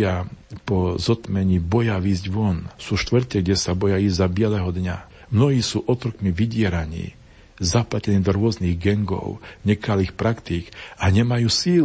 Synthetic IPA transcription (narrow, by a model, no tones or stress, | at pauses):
apɔzɔt̪mɛɲiːbɔjaʋiːzɟʋɔnsuːʃt̪ʋr̩cɛɡɟɛsabɔjaiːzzabɪɛlɛɦɔd̪ɲa | mnɔɦiːsuːʔɔt̪ɾɔkmiʋiɟɪɛɾaɲḭː | zaplacɛniːd̪ɔɾʊɔzniɣɡɛŋɡɔ̰ʊɲɛkʰaliːxpɾakt̪ikaɲɛmajuːsiːl